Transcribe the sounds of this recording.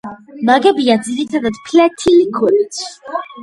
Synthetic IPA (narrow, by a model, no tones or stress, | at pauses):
maɡɛbiad̪ziɾit̪ʰad̪ad̪̥pʰlɛt̪ʰilikʰuɾit̪sʰ